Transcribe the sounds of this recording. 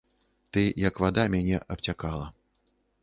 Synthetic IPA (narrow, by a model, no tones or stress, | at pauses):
t̪ɨjɐkvad̪amʲanʲɛʔɐp̚t͡sʲakalˠɐ